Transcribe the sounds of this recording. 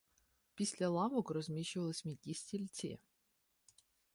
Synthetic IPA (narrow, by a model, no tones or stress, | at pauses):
pʲisʲlʲɐlˠɑʋɔkɾɔzʲmʲiʃʊʋɐlˠɪsʲmʲit̪ʲisʲtʲilʲtt͡sʲḭ